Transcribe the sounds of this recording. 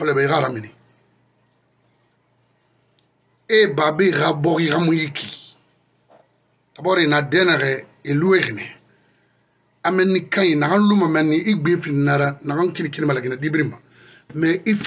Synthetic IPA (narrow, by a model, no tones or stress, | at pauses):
ɔlɛbɛiɣaɾamĩni | ebaːbeɣabɔɣiikamũjikʰi | abɔɾenadɛnɛɣɛ | elueɣine | amɛ̃nːĩkãinaɡãlumamɛnːĩʔiɡ͡bẽfininaɾanaɡãŋkinikiimalaɡinadibiɾimã | mɛif